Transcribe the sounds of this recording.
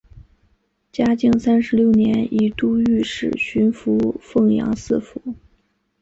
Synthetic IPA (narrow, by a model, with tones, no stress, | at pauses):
t͡ɕja˥t͡ɕi˥˩ŋsa˥nʂɻ̩˧˥ljo˥˩ʊnjɛ˧˥ni˧˥t̪u˥˧y˥˧ʂɻ̩˨˩ɕy˧˥nfu˧˥fɤ˥˩ŋjɑ̰˧˥ŋsɹ̩˥˩fu˧˥